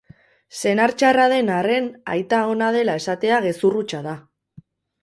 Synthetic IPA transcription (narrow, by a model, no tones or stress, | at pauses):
se̞naɾt͡ʃaraðe̞nare̞na̰jt̪aonaðe̞lae̞sat̪e̞aɣ̞e̞surut͡ʃað̞a